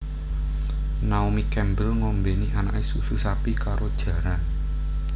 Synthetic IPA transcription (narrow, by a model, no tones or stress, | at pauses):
naumikɛmbəlŋombenianaʔesususapikaɾʔod̥ʒ̥ä̤ɾan